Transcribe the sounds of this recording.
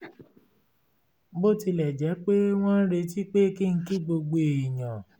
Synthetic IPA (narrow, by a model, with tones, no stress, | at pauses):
bo˦ti˧lɛ˨d͡ʒɛ˨˦k͡pe˦w̃ɔ̃˦ɾe˧ti˦k͡pe˦ki˦n̩˦ki˦ɡ͡bo˧ɡ͡bo˧˨i˨jã˨